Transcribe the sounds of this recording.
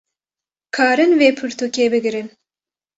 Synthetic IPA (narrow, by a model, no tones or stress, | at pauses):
kʰɑːɾɨnveːpʰɨɾt̪ukʲeːbɨɡɨɾɨn